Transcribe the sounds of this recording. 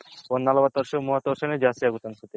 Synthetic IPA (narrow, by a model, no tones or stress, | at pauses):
ponːalobat̪ɔɾʃomuɦat̪ɔɾʃaned͡ʑasiaɡut̪ansut̪e